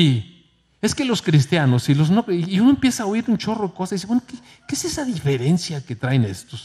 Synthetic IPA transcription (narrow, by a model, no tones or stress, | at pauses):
i | eske̞lo̞skɾis̬t̪janosiloznoːunoempjesaaoiɾunt͡ʃo̞roðekosajðisewenoke | keesesaðifeɾe̞nsjaket̪ɾaenest̪os